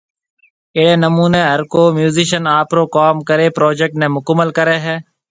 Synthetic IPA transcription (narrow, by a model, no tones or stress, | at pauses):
eːɽeːnəmuːneːɦəɾkoːmjuːziːʃənaːpɾoːkaːmkəɾeːpɾoːd͡ʒeːk̚ʈnẽːmʊkəmːəlkəɾeːɦɛ̃ː